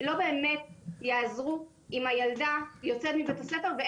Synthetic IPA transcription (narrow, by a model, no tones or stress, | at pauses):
lo̞be̞ːmetjaːzʁu | imajaldajo̞t͡set̪mibetaslefeʁve